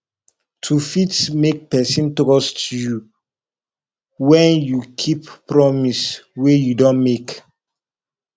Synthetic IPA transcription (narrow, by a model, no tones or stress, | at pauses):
tʰufitsmek̚pɛsĩntokɔstʰuju | wɛ̃njukʰippɹɔmiswejudõnmek